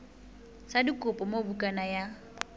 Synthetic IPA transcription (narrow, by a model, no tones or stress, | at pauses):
sadikʼʊpʼɔmobukʼanaja